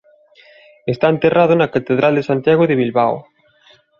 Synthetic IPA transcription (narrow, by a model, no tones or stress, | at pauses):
est̪aent̪erʔað̞ʊnɐkat̪eðɾald̪esant̪jaɣoðeβilβaw